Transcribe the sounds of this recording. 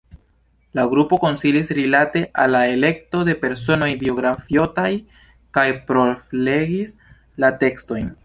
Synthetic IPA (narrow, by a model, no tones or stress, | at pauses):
laɡɾupo̞ko̞nsilisɾilate̞ʔalːae̞le̞kto̞de̞pe̞ɾso̞no̞jbio̞ɡɾafjo̞taj | kajpɾo̞fle̞ɡis | late̞ksto̞jn